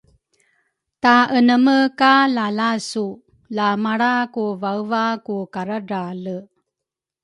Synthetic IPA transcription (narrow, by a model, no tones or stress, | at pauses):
taənəməkalalasu | lamaɽakuvaɯvakukaɾaɾalə